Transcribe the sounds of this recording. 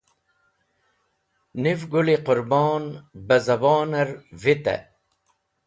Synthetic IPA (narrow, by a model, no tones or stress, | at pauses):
nivɡuliqʊɾbɑːnbɐzɐbaːnɐɾvit̪ɐ̰